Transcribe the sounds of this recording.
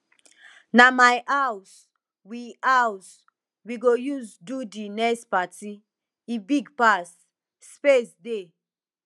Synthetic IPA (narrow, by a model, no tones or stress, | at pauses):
namajʔaws | wiaws | wiɡojuzdudinɛspati | ibiɡpas | spesde